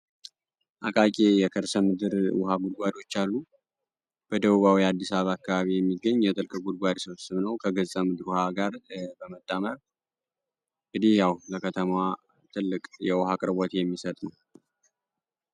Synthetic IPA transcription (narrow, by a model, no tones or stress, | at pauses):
ʔakʼakʼejɛkʰəɾsəmɨd̪ɨɾwʊɦaɡud̪̚ɡʷad̪o̞t͡ʃːalːu | b̥əd̪əβuβawiad̪ːisaββaakːaβaβijɛmːiɡːəɲːjɛt̪ʼɨlkʼɨɡud̪ɡʷad̪səwsɨβnəwkʰəɡəzsʼəmɨd̪ɨɾwʊhaɡaɾbəmət̪ʼːaməɾ | ʔɨd̪ihjawləkʰət̪ʰəma | t̪ʰɨlːɨkʼjɛwʊhakʼɨɾbot̪jɛmːisət̪ʼnəw